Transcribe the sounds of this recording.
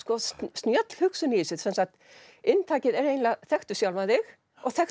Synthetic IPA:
skɔst̪njœt̪l̥hʏksʏniɪsɪðsɛnsakt̪ | ɪnt̪ʰaːcɪðɛɾejnlaθɛxt̪ʏ̥sjawlvaðɪx | ɔɣθɛx

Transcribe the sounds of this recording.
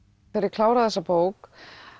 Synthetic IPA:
eɾɪkʰlaːwɾaðɛsːapoːwk

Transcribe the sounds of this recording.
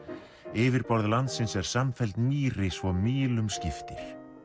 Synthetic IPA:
ɪːvɪɾpɔɾðɪlant̪sɪnsɛɾ̥samfɛlt̪miːɾɪsvɔmiːlʏmscɪft̪ɪɾ̥

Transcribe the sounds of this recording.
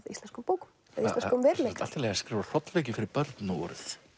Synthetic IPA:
ðist̪ɛnskʏmpowkʏm | ɛðistlɛnkɔmvɛɾlet̪a̰lt̪ɪlɛːaskɾɪːvḁr̥ɔt̪lveːcɪfɪɾɪɾpœɾt̪nɔ̰ɾð

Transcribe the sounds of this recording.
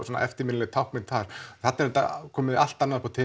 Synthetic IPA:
sɔna̰ʔɛft̪ɪmɪnlɛɣt̪ʰawkmɪnt̪ʰθaɾ̥θat̪aɾlɛt̪a̰kʰɔːmɪðal̥t̪anːaðpʰaɔt̪ʰɪː

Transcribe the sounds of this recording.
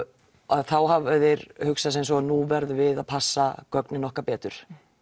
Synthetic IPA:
aðθawɦavaðɪɾhʏksas̬ɛmsɔaðnuːvɛɾðvɪðaðpʰasːakœknɪnɔhkapɛːt̪ʏɾ̥

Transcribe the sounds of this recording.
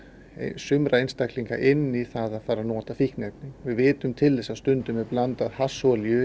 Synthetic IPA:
sʏmɾaejnst̪akliŋka̰ʔɪnːiθaðaðfaːɾanɔːt̪afihknep̪niŋvɪðvɪːt̪ʏmt̪ʰɪlðɛsaðst̪ʏnt̪ʏmɛplant̪aðhasɔlijʏ

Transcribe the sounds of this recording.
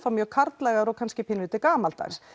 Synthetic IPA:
famjœːkʰaɾt̪lɛːɣaɾɔɣkʰanscɪpʰɪnlʏːt̪ɪkaːmalt̪a̰ɣs

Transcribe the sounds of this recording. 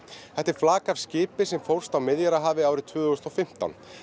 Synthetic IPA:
θɛht̪ɛɾ̥flaːkav̥scɪːpɪsɛmfowɾr̥st̪awmɪðjaɾaɦaːvɪaːwɾɪt̪ʰvʏːðʏɣʏst̪ɔfɪm̥t̪a̰n

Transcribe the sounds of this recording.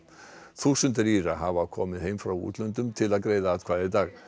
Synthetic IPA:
θuːsʏnt̪ɪɾiːɾaɦavakʰɔːmɪðhejmfɾawṵːt̪lœnt̪ʏmt̪ʰɪlaðɡɾejðaːt̪kʰvaːðɪd̪aːɣ

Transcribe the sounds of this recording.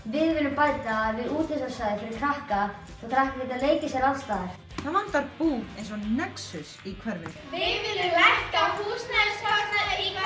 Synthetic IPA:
vɪðvɪlːʏmpaːjt̪aːðvɪðuːt̪hɛsasaðɪfɪɾɪɾ̥kʰɾahka | θɔkʰɾahkaɪt̪ːaleːjcɪsjɛɾalst̪aːðɪɾ̥ | θaðvant̪aɾpuːejns̬ɔnɛksʏsikʰvɛɾvɪ | vɪðvɪlːɪlɛhkafust̪nɛsanaɾɪɾika

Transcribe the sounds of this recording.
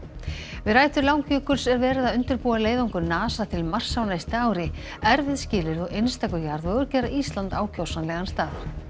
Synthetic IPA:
vɪðɾaːjt̪ʏɾlawŋkœːkʏɾ̥sɛɾvɛːɾɪðaðʏnt̪ʏɾpuːaleːjðawŋkʏɾnaːsat̪ʰɪlmar̥sawnajst̪ɪaːwɾɪ | ɛɾvɪðscɪːlɪɾðɔɣejnst̪akʏjaɾðœɣʏɾcɛːɾaʔist̪lant̪aːwcʰowsanlɛɣanst̪aːð

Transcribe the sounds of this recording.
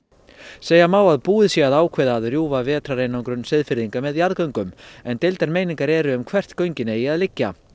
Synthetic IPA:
seːjamaːwaðpuːðɪsjɛaðaːwkʰvɛːðaːðrjuːvavɛːt̪ɾaɾejnawŋkɾʏnsɪðfɪɾðiŋkamɛðjaɾðkœɥŋkʏmɛnt̪ɪjlt̪ɛɾmejniŋkaɾɛɾʏʏmkʰvɛr̥t̪kœɥɲcɪnɛaðlɪcːa̰

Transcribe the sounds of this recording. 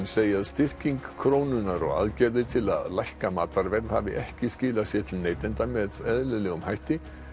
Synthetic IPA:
seːjaðst̪ɪr̥ciŋkʰɾoːwnʏnaɾɔ̰ɣa̰ðcɛɾðɪt̪ʰɪla̰ðlajhkamaːt̪aɾvɛɾðhavɪʔɛhcɪscɪːlasjɛt̪ʰɪlneːjt̪ɪnt̪amɛðɛðlɪlɛːɣʏmhajht̪ɪ

